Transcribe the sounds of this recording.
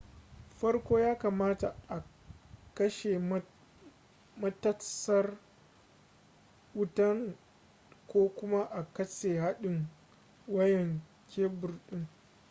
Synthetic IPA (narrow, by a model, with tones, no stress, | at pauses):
ɸɐ˦rkʷoː˦jaː˦kaː˨maː˦ta˨ʔa˨ | kɐ˦ʃe˨ | mɐ˦tɐ˦sɐ˦r | wʊ˦tɐ˦ŋ | kʷoː˦kʷʊ˦ma˦ʔa˨kɐ˦seː˨ɦa˦ɗɪ˨ŋ | wɐ˦jɛ˨ŋ | kʲeː˦bʊ˨rɗɪ˦ŋ